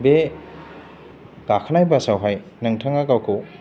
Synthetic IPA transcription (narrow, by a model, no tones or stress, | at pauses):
be | ɡ̥akʰanajbasawɦaj | nɐŋtʰaŋakawkʰuw